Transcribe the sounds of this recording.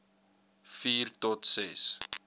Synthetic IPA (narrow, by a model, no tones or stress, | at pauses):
fiːrtɔtsɛs